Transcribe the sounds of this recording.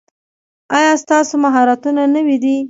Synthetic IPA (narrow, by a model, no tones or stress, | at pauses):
ɑjɑst̪ɑsomaɦɑɾat̪unanəwid̪i